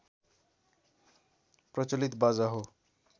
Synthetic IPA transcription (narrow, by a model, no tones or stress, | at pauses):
pɾɔt͡ɕolit̪bazaɦo